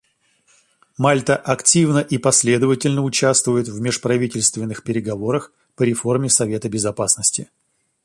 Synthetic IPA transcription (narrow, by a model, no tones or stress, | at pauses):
malʲt̪əʔɐktʲivnəʔipɐsʲlʲe̞d̪əvətʲɪlʲnəʊt͡ɕæst̪vʊjɪt̪vmʲɪʂpɾɐvʲitʲɪlʲst̪vʲɪnːɨxpʲɪɾʲɪɡɐvo̞ɾəx | pəɾʲɪfo̞rmʲɪsɐvʲe̞t̪əbʲɪzɐpasnəsʲtʲɪ